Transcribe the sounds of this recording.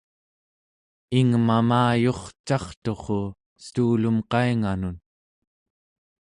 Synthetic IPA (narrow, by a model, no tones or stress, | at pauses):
iŋmamaːjo̞χt͡ʃɑχt̪o̞χo | st̪uːlumqɑiŋanun